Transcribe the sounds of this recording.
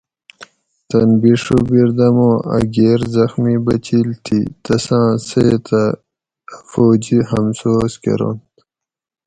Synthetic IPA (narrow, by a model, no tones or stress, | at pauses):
t̪ɐnbiʂubiɾd̪ɐmõːɐ̰ɡeːɾzɐxmibɐt͡ɕilt̪ʰit̪ɐsãːseːt̪ɐ | foːd͡ʑiɦɐmsoːskḛɾo̰nt̪